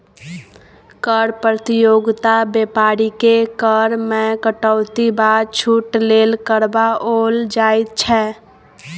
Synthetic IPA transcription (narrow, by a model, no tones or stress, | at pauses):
kəɾpɾət̪ijoɡt̪abepaɾikekəɾmẽkəʈəʊt̪ibadt͡ʃʰuʈlelkəɾbaold͡ʒajt̪̚t͡ʃʰɛ